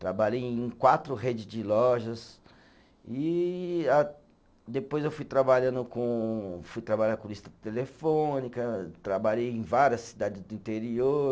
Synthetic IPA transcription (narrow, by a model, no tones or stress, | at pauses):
t̪ɾabaʎejẽj̃kwat̪ɾʊɦed͡ʒɪzd͡ʒɪlɔʒɐs | i | a | d̪epojzewfujt̪ɾabaʎɐ̃nd̪ʊkõfujt̪ɾabalʲɐ̃nʊkõlist̪ɐ̥t̪elefõnikɐt̪ɾabaʎejẽj̃vaɾiɐsːid̪ad͡ʒɪzd̪ʊĩnt̪eɾioɾ